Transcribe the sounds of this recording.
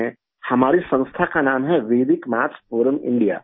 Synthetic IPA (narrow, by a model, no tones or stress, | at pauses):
ẽ | hɐmaːɾisɐ̃ŋst̪ʰakanaːmɦɛʋeːd̪ɪkmaːt͡ʃpoːɾəmɪ̰̃ɳɖija̰ː